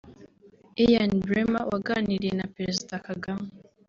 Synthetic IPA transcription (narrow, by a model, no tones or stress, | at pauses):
ejanbɾemawaɡaniɾijenapɾezidakaɡame